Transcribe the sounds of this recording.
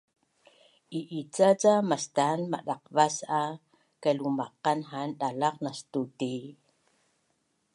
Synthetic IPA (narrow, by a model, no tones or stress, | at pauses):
ʔiʔit͡sat͡samastanma̰ɗaq̚vasa | kalumaqanɦanɗalaqnastuti